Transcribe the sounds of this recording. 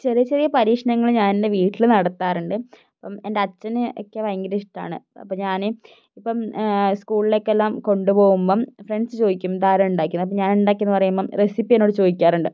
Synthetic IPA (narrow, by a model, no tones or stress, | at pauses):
t͡ɕerijɐt͡ɕːerijɐpɐɾiːkʂɐnɐŋːɐɭɲaːninde̞ʋiːʈːilɨnɐɽɐt̪ːaːruɳɖɨ | ɐpːɐmendeɐt͡ɕːɐnɨʔo̰kːe̞ʋɐjɐŋɡɐɾiʂʈa̰ːɳɨ̰ɐ̰pːɐmɲaːnɨ | ipːɐmskuːɭilo̞ːkːelːaːmko̞ɳɖupo̞ːɣumboːfreɳɖsɨt͡ɕo̞ːðikʲːumt̪aːlɐmuɳɖaːkʲːunːɐp̬ːɐmɲaːnuɳɖaːkʲːɐnːɨpɐrɐjumboresipːienːo̞ːɽɨt͡ɕo̞ːðikʲːaːruɳɖɨ